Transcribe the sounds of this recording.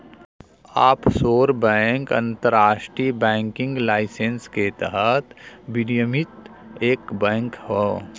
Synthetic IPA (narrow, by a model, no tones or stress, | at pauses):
aːpsoːɾbɛ̃ŋkɐ̰̃nt̪əɾaːʃʈɾibɛ̃ːŋkɪ̃ŋɡlaːɪsensket̪əɦət̪bɪnijəmɪt̪ | eːkbɛ̃ːŋkɦoː